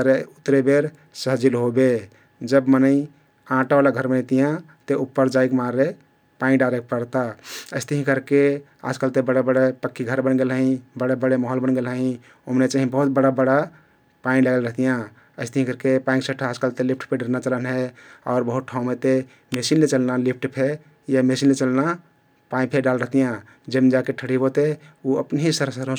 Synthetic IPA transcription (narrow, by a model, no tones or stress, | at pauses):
əɾeut̪ɾebeɾ | səɦd͡ʒilɦobe | d͡ʒəbmənəĩ | ãʈaalaɡʱəɾmənət̪ijã | t̪eupːəɾd͡ʒaikmaɾe | pãĩɖaɾek̚pəɽt̪aəɪst̪əɦĩkəɾke | a̰d͡ʒkalt̪ebəɽebəɽepəkʰːiɡʱəɾbənɡelɦəɦĩbəɽebəɽemɔɦəlbənɡelɦəĩ | omnet͡ʃaɦĩbəɦut̪̚bəɽabəɽa | pãĩləɡəlɾəɦt̪ijã | əɪst̪ɦĩkəɾkepaĩsəʈʰaaːd͡ʒkəlt̪elip̚ʰʈpʰeɖəɾnat͡ʃələnɦeɔ̰ʊɾbəɦut̪̚ʈʰaũmet̪e | mesinlet͡ʃəlnalipʰʈpʰe | jamesinlet͡ʃəlna | paĩpʰeɖalɾəɦt̪ijã | d͡ʒemed͡ʒakeʈʰəɽibot̪euəpnɦĩsəɾsəɾɦõ